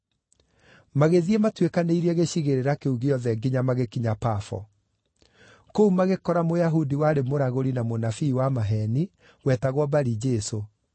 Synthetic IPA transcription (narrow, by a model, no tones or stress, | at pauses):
maɣeðiɛmatwekaneiɾiɛɣeɕiɣeɾeɾakeuɣeɔðɛɡiɲamaɣekiɲapafɔ̰ | koumaɣekɔɾamojaɦudiwaɾemoɾaɣoɾinamonafiːwamaɦɛni | wɛtaɣwɔbaɾid͡ʒɛso